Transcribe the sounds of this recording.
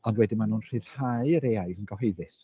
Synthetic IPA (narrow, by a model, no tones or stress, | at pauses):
ɔndwɛdɨmanuːnr̥ɨːð̥haɨəɾeajðənɡɔɦejðɨs